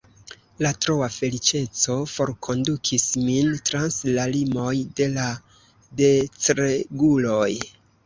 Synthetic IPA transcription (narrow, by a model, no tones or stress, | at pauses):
latɾo̞afe̞lit͡ʃe̞t͡so̞fo̞ɾkʰo̞ndukʰismintɾanslalimo̞jde̞la | de̞t͡sɾeɡulo̞j